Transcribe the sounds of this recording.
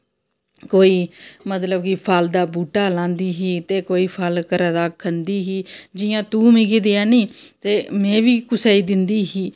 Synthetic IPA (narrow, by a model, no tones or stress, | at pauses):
koːiːmət̪ləbkipʰald̪aːbuːʈaːlãːnd̪iːɦiːt̪eːkoːiːpʰəlkəɾad̪aːkʰːənd̪iːɦiːd͡ʒɪjãːt̪uːmɪɡid̪ɪjãːnĩːt̪eːmɛ̃ːʋiːkʊsaːiːd̪ɪnd̪iːɦiː